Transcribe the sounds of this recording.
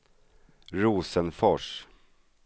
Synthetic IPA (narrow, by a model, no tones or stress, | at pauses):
ɾuːsənfɔʂ